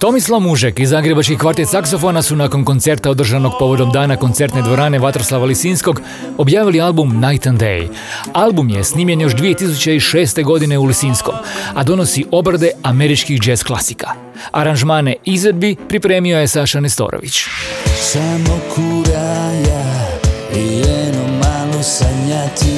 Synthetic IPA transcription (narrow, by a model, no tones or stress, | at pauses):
t̪o̞mislˠaʋmuʒekizːaːɡɾe̞bat͡ʃkixkʋaɾt̪et̪sakso̞fo̞nasunako̞nko̞nt̪se̞ɾt̪ao̞d̪r̩ʒano̞ɡ̚po̞ʋo̞d̪o̞md̪aːnako̞nt̪se̞ɾt̪ned̪ʋo̞ɾaːne̞ʋat̪ɾo̞slˠaʋalisiːnsko̞ɡ | o̞bjaːʋilialbumnajt̪and̪ḛj | alˠbumjḛsniːmʎʲe̞njo̞ʃd̪ʋije̞t̪is̬ut͡ɕeiʃe̞ːst̪e̞ɡo̞d̪ine̞ulisiːnsko̞̰mad̪o̞no̞siʔo̞bɾad̪e̞ame̞ɾit͡ʃkixd͡ʒesklˠa̰sikḁ | a̰ɾanʒmaːneizʋe̞d̪̚bipɾipɾe̞ːmio̞jesaʃanest̪o̞̰ːɾo̰ʋḭt͡ɕsamokʰuɾaja | ijɛnomaːlosaɲat̪i